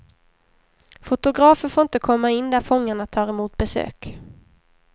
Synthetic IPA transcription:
fʊt̪ʊɡɾɑːfəɾfoːɾɪnt̪əkʰɔmːaɪnːd̪æɾfɔŋːaɳat̪ʰɑːɾɛmuːt̪̚bɛsø̰ːk

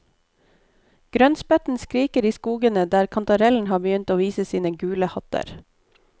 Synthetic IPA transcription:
ɡ̥ɾœnspɛt̪n̩skɾiːkəɾiːskuːɡənəd̪æːɾkʰɑnt̪ɑɾɛln̩hɑːbəjʏnt̪oːʋiːsəsiːnəɡʉːləhɑt̪ə̰ɾ

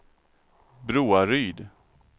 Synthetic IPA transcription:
bɾuːaɾyːd̪

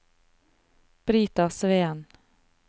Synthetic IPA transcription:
b̥ɾiːt̪ɑsʋeːn

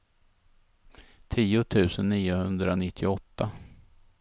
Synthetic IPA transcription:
t̪ʰiːʊt̪ʰʉ̟ːsənːiːʊhɵnd̪ɾanɪt̪ʰːɪɔt̪ːa

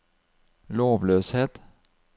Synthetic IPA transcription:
loːʋløːsheːt̪

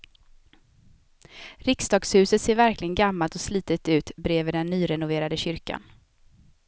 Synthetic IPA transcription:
ɾɪksd̪ɑːɡshʉ̟ːsət̪seːɾvæɾklɪɡənɡamːalt̪ɔsliːt̪ət̪ʉ̟ːt̪bɾeːvəd̪ɛnːyːɾɛnʊveːɾad̪əɕʏɾka̰n

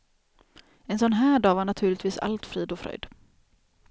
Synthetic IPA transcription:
ɛnsɔnɦæːɖɑːvaɳat̪ʰʉ̟ːɭɪt̪viːsa̰lt̪fɾiːd̪ɔfɾœ̰jd̪

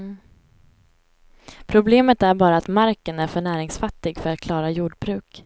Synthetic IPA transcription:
pʰɾʊbleːmət̪æɾbɑːɾaːt̪maɾkənæɾfœɳæːɾɪŋsfat̪ːɪɡfœɾat̪̚kʰlɑːɾajuːɖbɾʉ̟ːk

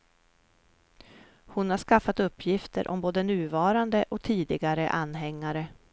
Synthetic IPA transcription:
hʊnhaʂkafːat̪ɵpːjɪft̪ə̰ɾʔɔ̰mboːd̪ənʉ̟ːvɑːɾand̪əʔɔkt̪ʰiːd̪ɪɡaɾəʔanːɦɛŋːaɾə

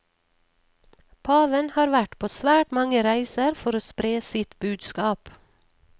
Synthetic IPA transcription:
pʰɑːʋənhɑːɾʋæʈpʰoːsʋæːʈmɑŋəɾæɪsəɾfɔɾoːspɾeːsɪt̪bʉːd̪skɑːp

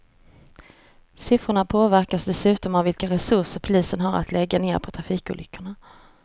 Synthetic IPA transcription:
sɪfɾʊɳapʰoːvæɾkasd̪ɛsʉ̟ːt̪ɔmavɪlkaɾɛsɵʂəɾpʰʊliːsənɦaɾa̰t̪ʰlɛɡːaneːɾpʰɔt̪ʰɾafiːkʊ̰ːlʏkʰːʊɳa

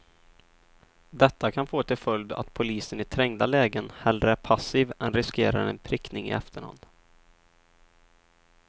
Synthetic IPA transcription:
d̪ɛt̪ːakʰanfoːt̪ʰɪlfœld̪a̰t̪pʰʊliːsənɪt̪ʰɾɛŋd̪alɛːɡənhɛld̪ɾəæɾpʰasiːvɛnɾɪskeːɾa̰ɾɛ̰npʰɾɪknɪŋɪ̰ɛ̰ft̪ʰəɳha̰nd̪̥

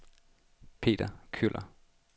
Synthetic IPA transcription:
pʰe̝̰ːd̥ɐkʰylʔɐ

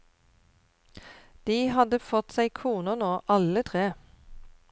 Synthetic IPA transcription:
d̪̥iːhɑd̪əfɔt̪sæɪkʰuːnənoːʔɑlət̪ʰʁeː

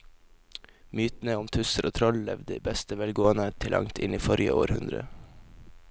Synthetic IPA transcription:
myːt̪n̩əʊmt̪ʰʉsəɾʔoːt̪ʰɾɔllɛʋd̪əiːbɛst̪əʋɛlɡoːənət̪ʰɪlʔɑ̰ŋt̪ʰɪniːfɔɾjə̰ʔo̰ːɾhʉnd̪ɾə̰

